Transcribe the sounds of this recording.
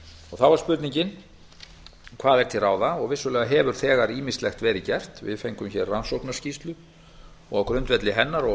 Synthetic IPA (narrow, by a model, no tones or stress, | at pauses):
ɔɣθawvaɾ̥spʏɾt̪niɲcɪn | kʰvaːðɛɾt̪ʰɪlraːwðaɔɣvɪsːʏlɛːɣaɦɛːvʏɾ̥θɛːɣaɾiːmist̪lɛxt̪vɛːɾɪcɛr̥t̪vɪ̰ðfejŋkʏmçɛrransɔwknascist̪lʏ | ɔɣɔkɾʏnt̪vɛt̪lɪɦɛnːaɾɔ